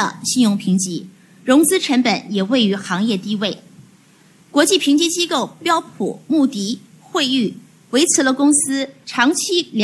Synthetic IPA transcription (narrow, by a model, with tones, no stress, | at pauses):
ə̰˩ɕi˥˧njʊ˥˩ŋpʰi˧˥ŋt͡ɕi˧˥ | ɻʊ˧˥ŋt͡sɹ̩˥ʈ͡ʂʰə˧˥npə˨˧˩njɛ˨˩we˥˩ɪy˧˥xɑ˧˥ŋjɛ˥˧t̪i˥˧we˥˩ɪ | kwɔ˧˥t͡ɕi˥˩pʰi˧˥ŋt͡ɕi˥t͡ɕi˥ko˥˩ʊpjɑ˥ʊpʰṵ˨˩mu˥˩t̪i˧˥ | xwe˥˧ɪy˥˩ | we˧˥ɪt͡sʰɹ̩˧˥lə˧kʊ˥ŋsɹ̩˥ʈ͡ʂʰɑ˧˥ŋt͡ɕʰi˥lj